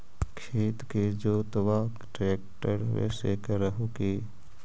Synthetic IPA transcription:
kʰeːt̪ked͡ʒoːt̪əʋaːkʈɾeːk̚ʈəɾʋɛ̰ːsḛkəɾəɦokeː

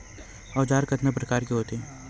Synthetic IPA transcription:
ɔːd͡ʒaːɾkɐt̪napɾɐkaːɾkiɦoːt̪eɛ̃ː

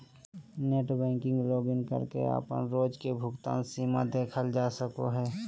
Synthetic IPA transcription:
neːʈbɛ̃ːŋkɪ̃ŋɡɾoːbɪnkə̰ɾkḛə̰pə̰nɾoːd͡ʒkebʱʊɡt̪a̰ːnsiːmad̪eːkʰəld͡ʒaːsəko̰ɦɛː

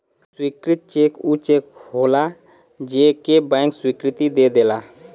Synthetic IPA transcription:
swikɾɪt̪̚t͡ʃekut͡ʃekɦola | d͡ʒekebɛ̃ŋkswikɾɪt̪id̪ed̪ela

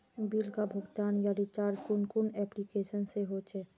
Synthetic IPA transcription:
biːlkabʱʊɡt̪aːnjaɾit͡ʃaːɾkʊnkʊnɛːplikeːʃənseɦoːt͡ʃʰeː

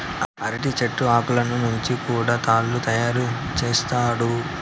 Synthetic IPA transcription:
ɐɾiʈit͡ʃeʈːuaːkulɐnunuɲt͡ʃikuːɽaːt̪aːlːut̪ɐjaːɾu | t͡ʃeːst̪aːɽu

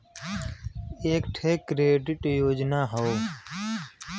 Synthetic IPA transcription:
eːkʈʰeːkːɾeːɖɪʈjoːd͡ʒnaːɦooː

